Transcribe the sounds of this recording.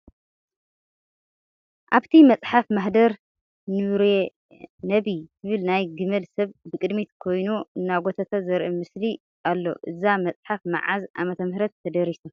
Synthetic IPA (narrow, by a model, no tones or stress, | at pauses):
ʔaβt̪ʰimɐt͡sʼħafmɐħd̪ɐɾ | nɨɾe | nɐβitʰɨβɨlnajɡɨmɐlsɐβbɨkʼɨd̪mit̪kʰo̞jnuɨnːaɡot̪ʰat̪ʰazɐɾʔɨmɨsli | ʔalːo̞̰ʔɨzamɐt͡sʼħafma̰ʕazʔa̰mɐt̪ʰɐmhɾɐt̪ʰːɐd̪ɐɾisu